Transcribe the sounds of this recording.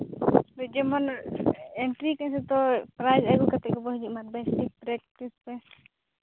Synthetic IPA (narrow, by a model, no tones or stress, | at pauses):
bɛd͡ʒɛmɔn | ɛɳʈɾikansɛt̪ɔpɾajzaɡɔkat̪ɛkɔbɔɦd͡ʒimat̪̚basʈik̚pɾɛk̚pʈispɛ